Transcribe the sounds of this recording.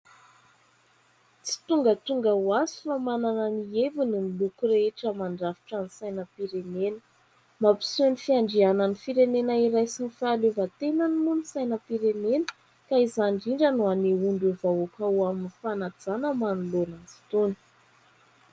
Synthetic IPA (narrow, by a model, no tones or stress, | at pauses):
t͡si̥t̪uŋɡət̪uŋɡawazi̥famanananievunimilukureʈ͡ʂəmaɳɖ͡ʐafi̥ʈ͡ʂanisajnəpiɾenenə̥ | mapi̥senifiaɳɖ͡ʐiananifiɾenenaiɾajsinifaːlevət̪enanimunisajnəpiɾenenə̥ | kaizanɳɖ͡ʐiɳɖ͡ʐənuaneuɳɖ͡ʐevaokawaminifanad͡zanəmanulonazi̥t̪oni̥